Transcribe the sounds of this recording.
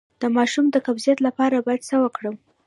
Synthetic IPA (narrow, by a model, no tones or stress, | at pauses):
d̪̥əmɑʃumd̪əkabzijat̪lapɑɾabɑjad̪səwəkɽəw